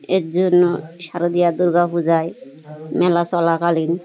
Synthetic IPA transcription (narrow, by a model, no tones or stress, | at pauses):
eɾd͡ʒonːoʃaɾod̪ijad̪uɾɡakud͡ʑaj | mɛlasɔlakalin